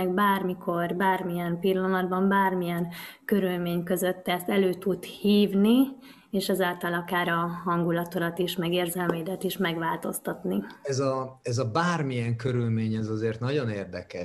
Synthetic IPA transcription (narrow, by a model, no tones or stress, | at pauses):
ɛɡbaːrmikʰo̞rbaːrmijɛnpilːɒnɒd̪bɒmbaːrmijɛnkø̞ɾylmeːɲkø̞zøt̪ːɛst̪ɛløːt̪ut̪hiːvni | eːʃɛzaːlt̪ɒlɒkaːɾɒɦɒŋɡulɒt̪olɒt̪iʃmɛɡeːrzɛlmeːd̪ɛt̪iʃmɛɡʋaːlt̪o̞st̪ɒt̪niɛzɒɛzɒbaːrmijɛŋkøɾylmeːɲɛzɒzeːrt̪nɒɟo̞neːrd̪ɛ̰kɛ̰ʃ